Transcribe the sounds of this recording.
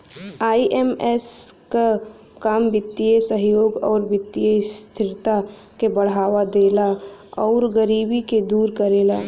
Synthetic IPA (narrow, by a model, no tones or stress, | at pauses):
aːiʔemɛska | kaːmbɪt̪ːijesəɦjoːɡɔːɾbɪt̪ːijest̪ʰɪɾt̪a | kebɐɽ̤aːʋad̪eːlaɔːɾɡəɾiːbiked̪uːɾkəɾeːla̰ː